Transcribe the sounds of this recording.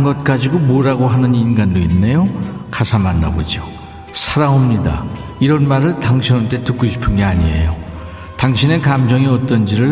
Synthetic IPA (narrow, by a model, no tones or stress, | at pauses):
nɡʌt̚k͈ad͡ʑiɡomoɾaɡoɦanɯninɡandoinːe̞jokasʰamanːa̰bo̰d͡ʑio | sʰaɾaomɲida̰iɾʌnmaɾɯɭtaŋɕʰinant͈e̞tɯk͈oɕʰi̥pʰɯnɡeaɲie̞̰jo | taŋɕʰine̞kamd͡ʑʌŋiʌt͈ʌnd͡ʑiɾɯɭ